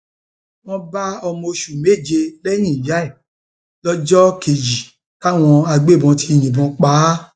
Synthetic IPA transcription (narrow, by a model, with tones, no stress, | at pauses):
w̃ɔ̃˧ba˦ɔ˧mo˧ʃu˨me˦˨d͡ʒe˧lɛ˦j̃ĩ˦˨ja˨˦ɛ˦˨ | lɔ˦d͡ʒɔ˦ke˨d͡ʒi˨ | ka˦˨w̃ɔ̃˧a˧ɡ͡be˦˨bɔ̃˧ti˦˨jĩ˨bɔ̃˨˧k͡pa˨˦